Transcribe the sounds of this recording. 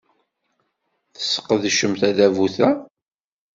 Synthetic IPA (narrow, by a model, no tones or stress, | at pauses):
θə̥sːə̥qːðʃəmθæðævuθæ